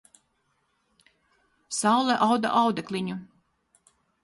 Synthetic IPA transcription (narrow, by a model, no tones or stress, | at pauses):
sawlˠɛʔawd̪a̰ʔawd̪ɛkliɲu